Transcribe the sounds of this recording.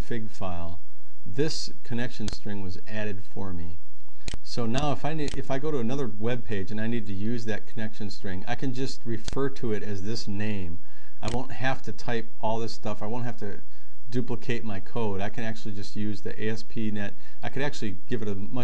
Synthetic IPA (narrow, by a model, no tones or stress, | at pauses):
fɪɡfaɪlˠ | ðɪs | kʰɨnɛkʃɨ̃nstɹ̥ɪ̃ŋwʌz | æɾɨd̥fə˞mi | soʊnaʊəfaɪniɨfaɪɡoʊɾəɨnʌðə˞wɛb̚pʰeɪd͡ʒɨ̃naɪnid̚tʰɨjʉzðɨt̚kʰənɛkʃɨ̃n̩stɹ̥ɪ̃ŋa̰ɪkʰɨ̃nd͡ʒʌst̚ɹɨfɜ˞ɾɨɪɾɨzðɪsnẽɪ̃m | ʔaɪwõʊ̃nt̚hæftɨtʰaɪp̚ | ɔlˠðɪstʌfaɪwõʊ̃nt̚hæftɨ | dʉpləkʰeɪt̚maɪkʰoʊɾaɪkʰɨ̃ñæk̚t͡ʃʉl̩ˠid͡ʒʌst̚jʉzðḭʔeɪɛspʰinɛt | aɪkɨɾæk̚t͡ʃʉl̩ˠiɡ̥ɪvɨɾɨ | mʌ